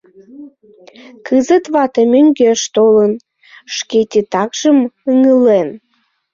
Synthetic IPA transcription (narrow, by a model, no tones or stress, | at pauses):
kɨzət̪βɑt̪emøŋɡeʃt̪olən | ʃket̪ʲet̪ɑkʒ̥əməŋəlen